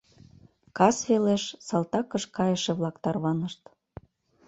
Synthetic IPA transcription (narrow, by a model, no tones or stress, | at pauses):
kɑsβeleʃsɑlˠt̪ɑkəʃkɑjəʃeβlˠɑkt̪ɑrβɑnəʃt̪